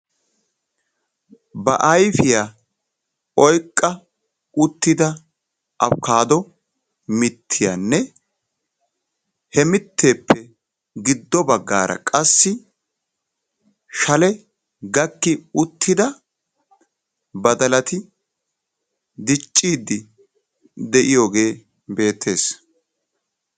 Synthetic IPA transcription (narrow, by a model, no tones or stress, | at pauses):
bɐ̰ʔɐjfɪja | ɔjkʼːɐ | ʊt̪ːɪd̪ɐ | ʔɐfkaːd̪ɔ | mɪt̪ʰːɪja̰nːɛ | hɛmɪt̪ʰːe̞ːpːɛ | ɡɪd̪ːɔbɐɡːa̰ːɾɐ̰kʼɐsːɪ | ʃɐlɛ | ɡɐkːɪʊt̪ːɪd̪ɐ | bɐd̪ɐlɐt̪ɪ | d̪ɪt͡ʃʼːiːd̪ːɪ | d̪ɛʔɪjoːɡe̞ː | be̞ːt̪ːe̞ːs